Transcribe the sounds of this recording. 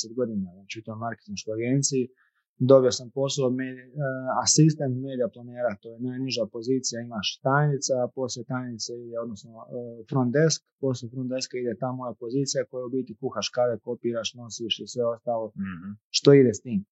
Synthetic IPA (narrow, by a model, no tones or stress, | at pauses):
set̪̚ɡo̞d̪inaat͡ʃut̪omaɾke̥t̪inʃkojaɡeːnt̪sii | d̪o̞bijosampo̞soomed̪iasist̪ent̪meːd̪ijaplˠaneːɾat̪oːjenaːjniʒapo̞ziːt̪sijaimaʃt̪ajnit̪sapo̞slet̪ajnit̪said̪eo̞d̪nosnofɾond̪eskpo̞s̬lʲefɾond̪e̞skaid̪et̪amojapo̞zit̪sijakojaubiːt̪ikuxaʃkadeko̞piːɾaʃno̞siʃisʋe̞o̞st̪aːlˠo̞ʃt̪o̞id̪est̪iːm